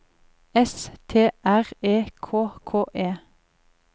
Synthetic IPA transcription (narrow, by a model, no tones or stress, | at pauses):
ɛst̪ʰeːʔæʁeːkʰoːkʰoːʔeː